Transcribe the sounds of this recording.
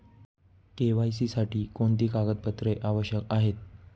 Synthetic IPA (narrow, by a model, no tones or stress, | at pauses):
keʋajs̬iːsaʈiːkoɳt̪iːkaɡət̪̚pət̪ɾeʔaʋəɕjəkaɦet̪̚